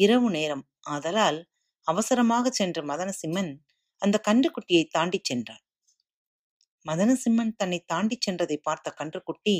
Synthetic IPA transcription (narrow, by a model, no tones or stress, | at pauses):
ɪɾɐʋɯneːɾɐm | aːðɐlaːl | ɐʋɐsɐɾɐmaːɣɐt͡ʃːɛndrɐmɐðɐnɐsɪmːɐn | ɐnd̪ɐkɐɳdrɯkːʊʈːɪjɐɪt̪ːaːɳɖit͡ʃːɛndra̰ːn | mɐðɐnɐsɪmːɐnt̪ɐnːɐɪt̪ːaːɳɖɪt͡ʃːɛndrɐðɐɪpːaːɾt̪ɐkɐɳdrɯkːʊʈːi